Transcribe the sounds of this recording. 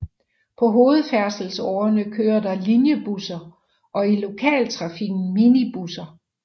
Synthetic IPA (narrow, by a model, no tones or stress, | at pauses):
pʰɒ̽ɦo̝ːð̞̩ˠfæɐsl̩sɒ̰ːɐnəkʰøːɐdɑ̈linjəb̥usɐ | ʔɒ̽ilo̝kʰɛ̰ːlt͡sʰʁɑ̈fiɡ̥n̩minib̥usɐ